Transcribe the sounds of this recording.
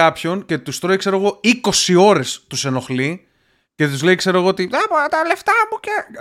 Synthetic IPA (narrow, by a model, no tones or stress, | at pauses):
ɐpço̞nce̞t̪ust̪ɾoikse̞ɾo̞ɣo̞iko̞sio̞ɾe̞st̪use̞no̞xli | ce̞t̪uzle̞ikse̞ɾoɣo̞ot̪iðepoɐt̪ɐle̞ft̪ɐmuce